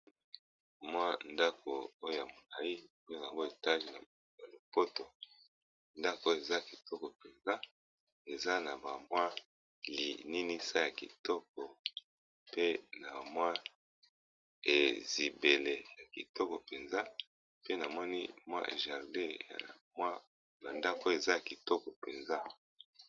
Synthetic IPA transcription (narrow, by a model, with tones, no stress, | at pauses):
mwa˦nda˦kʰo˨o˦jo˨ja˨mo˨la˨i˦o˦jo˨a˨ŋɡo˦e˨ta˦ʒi˨na˨ | a˨lo˨po˦to˨ | nda˦ko˨o˦je˨za˦ki˨tɔ˦kɔ˨pe˨nza˦ | e˨za˦na˨ba˨mwa˦ | lḭ˨ni˦ni˦sa˦ja˨ki˨tɔ˦k̚ɔ˨ | pe˦na˨mwa˦ | e˨zi˨be˨le˨ja˨kḭ˨tɔ˦kɔ˨pe˨nza˦ | pe˦na˨mɔ˦nḭ˦mwa̰˦ʔḛ˨ʒa˨ʁde˦ja̰˨mwa˦ | na˨nda˦ko˦˨e˨za˦ja˨ki˨tɔ˦kɔ˨pe˨nza˦